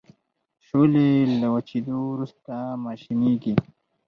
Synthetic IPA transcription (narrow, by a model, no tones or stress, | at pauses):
ʃolelawat͡ʃid̪owɾust̪amaːʃiniɡi